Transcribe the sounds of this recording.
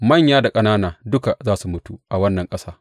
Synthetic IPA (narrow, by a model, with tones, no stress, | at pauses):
mɐ˦˨ɲjaː˦da˨kʼɐ˦naː˦naː˨dʊ˦ka˨zaː˦su˨mʊ˦tu˦ʔa˨wɐ˦nːɐ˨ŋkʼɐ˦saː˦